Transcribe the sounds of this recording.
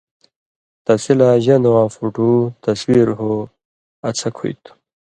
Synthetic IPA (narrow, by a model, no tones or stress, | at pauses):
t̪ɐsilaʑɐnd̪wãːfuʈut̪ɐswiɾɦo | ɐt͡sʰɐkʰṵjt̪ʰu̥